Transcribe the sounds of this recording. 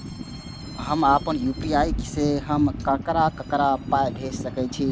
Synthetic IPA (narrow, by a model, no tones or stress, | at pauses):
ɦəmapənjupiajkseɦəmkəkɾakəkɾapajɡʱessəkɛt͡ʃʰi